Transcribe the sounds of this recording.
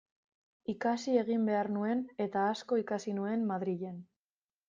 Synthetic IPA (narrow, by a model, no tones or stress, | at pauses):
ikasie̞ɣimbe̞arnue̞ne̞t̪aːsko̞ikasinue̞mmaðɾiʎe̞n